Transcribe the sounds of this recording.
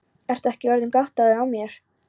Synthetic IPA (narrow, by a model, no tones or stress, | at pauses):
ɛr̥t̪aɛhcɪœɾðʏnkaht̪aðɪawmjɛɾ̥